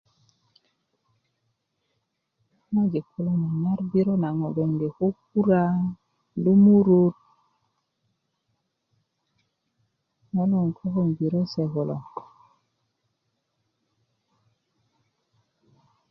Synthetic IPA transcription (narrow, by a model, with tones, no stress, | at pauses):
ŋa˦d͡ʒe˨kʰːo˨lo˦na˨na˦ɾbi˦ɾo˦na˨ŋo˨ɡo˨ŋde˨ko˦k̚u˦ɾa˦ | do˦mu˦ɾo˦t̚ | ŋo˦lo˨ŋkʰo˦ko˦ŋbi˨ɾo˦se˨ko˨lo̰˨